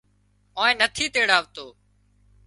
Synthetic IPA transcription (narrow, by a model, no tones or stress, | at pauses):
õːẽːnət̪ʰiːt̪eːɽaːʋt̪oː